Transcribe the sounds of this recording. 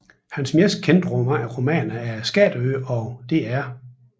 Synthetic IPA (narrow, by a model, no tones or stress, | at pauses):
hænsmes̚kʰend̥ʁɔmɐʔæʁo̝mɛ̰ːnɐæɐsɡ̥ɛ̰ːd̥ø̰ɒ̽d̥e̝æɐ